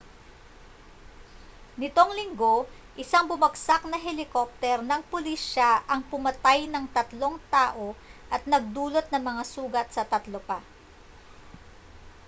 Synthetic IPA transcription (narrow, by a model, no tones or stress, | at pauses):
nɪt̪o̞ŋlɪŋɡo̞ | ʔɪsaŋbʊmɐɡsak̚nɐɦɛlɪkop̚t̪ɛɾnɐŋpʊliʃaʔɐŋpʊmɐt̪ajnɐŋt̪ɐt̪lo̞ŋt̪aːʔo̞ʔɐt̪̚nɐɡ̚d̪uːlo̞t̪̚nɐŋmɐŋasuːɡɐt̪sɐt̪ɐt̪lopa